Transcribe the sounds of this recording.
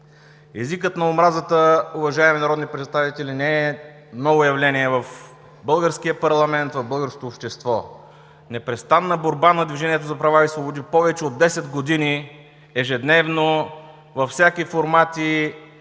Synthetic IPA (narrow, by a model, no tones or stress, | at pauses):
ɛzikət̪nɐomɾazət̪əʊvɐʒaɛminɐɾɔd̪nipɾɛt̪st̪avit̪ɛlinɛɛ | mnɔvojɐvlɛnʲiɛvɐf | bɤlˠɡəɾskiəpɐɾlˠɐmɛnt̪vɐvbɤlˠɡəɾsko̥t̪oːpʃt̪ɛst̪vɔ | nɛpɾɛst̪anːɐboɾbanɐd̪viʒɛniɛt̪̬ozɐpɾɐvaisvobod̪ipɔvɛt͡ʃɛod̪ːɛsɛd̪ɡod̪ini | ɛʒɛd̪nɛvno | vɐfsʲakifoɾmat̪i